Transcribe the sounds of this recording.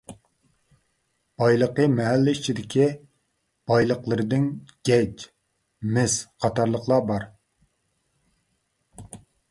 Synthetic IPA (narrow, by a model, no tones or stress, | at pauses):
b̥ɑjlˠəqəmɛɦælːɪit͡ʃʰid̪ɪkʲʰi | b̥ɑjlˠəqlˠɨɾɨd̪ɪnɡ̥ʲɛt͡ʃ | mɪsqʰɑt̪ʰɑɾlˠəqlˠɑbɑɾ